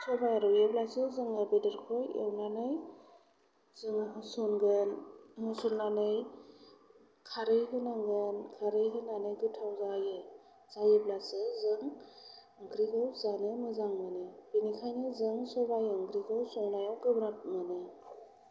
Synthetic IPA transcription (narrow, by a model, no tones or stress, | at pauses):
sɔbajɾɔwjeblasɯzɯŋɯbedɯɾkʰɔjḛwnanɯj | zɯŋsɔnɡɯnŋɯsunːanɯj | kʰaɾɯjɦɯnaŋɡɯnkʰaɾɯjɦɯnanɯjɡɯtʰawzajɯ | z̥aweblasɯzɯŋ | ɯŋɡɾiɡawzanɯmɯzaŋmɯnɯbinikʰajnɯzɯŋsɔbajɯŋɡɾiɡawsɔŋnajawɡɯbɾap̚mɯnɯ